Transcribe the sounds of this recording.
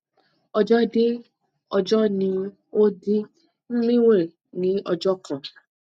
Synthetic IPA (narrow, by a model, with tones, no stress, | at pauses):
ɔ˧d͡ʒɔ˦de˦ | ɔ˧d͡ʒɔ˦nĩ˧ | o˦di˦ | m̩˦mĩ˦we˦˨ | nĩ˨˦ɔ˧d͡ʒɔ˦kʰã˨